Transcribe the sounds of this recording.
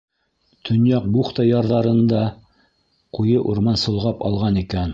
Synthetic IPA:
t̪ʰɵ̆njɑq̚buχt̪ɑjɑɾðɑɾɤ̆nd̪ɑ | qujɤʔuɾmɑnsŏlˠʁɑpɑ̰lˠʁɑnikæn

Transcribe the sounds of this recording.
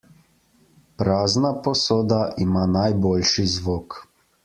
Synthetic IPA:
pɾaːznapɔsoːd̪aʔimaːnajboːlʃizʋoːk

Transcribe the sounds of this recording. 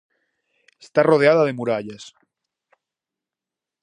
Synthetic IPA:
est̪aroðeað̞að̞e̞muɾaʎas

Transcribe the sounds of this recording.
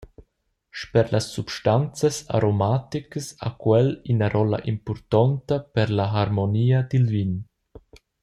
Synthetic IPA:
ʃpɛɾlasːupʃtant͡səsa̰ɾomat̪ikəsa̰kwɛlinaɾɔla̰ʔimpɔɾt̪ɔnt̪əpɛɾlaɦaɾmoniːad̪ilvin

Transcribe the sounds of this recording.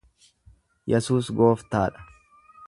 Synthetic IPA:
jɛsuːsɡo̞ːft̪aːᶑɐ̥

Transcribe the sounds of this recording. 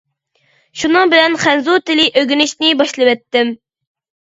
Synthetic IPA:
ʃunɨŋbɪlɛnχænzut̪ɪlɪʔøɡʲynɪʃnɪbɑʃlˠɨwɛt̪ːɪm

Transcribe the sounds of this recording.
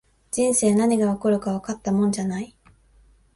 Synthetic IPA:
d͡ʑĩɰ̃se̞ːnaɲ̟iɡaβakɯ̟ɾɯ̟kaβakat̪ːamõ̞ɲ̟d͡ʑanai

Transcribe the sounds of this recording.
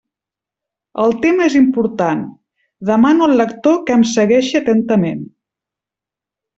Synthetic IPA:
əlˠt̪emezimpuɾt̪an | d̪əmanuəlːəkt̪okəmsəɣɛʃət̪ənt̪əmen

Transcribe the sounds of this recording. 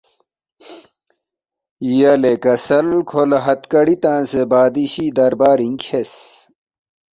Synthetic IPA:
ijɐlekɐsɐlkʰolɐɦɐt̪kɐɽit̪ãːnsebaːd̪iɕiːd̪ɐɾbaːɾiŋkʰes

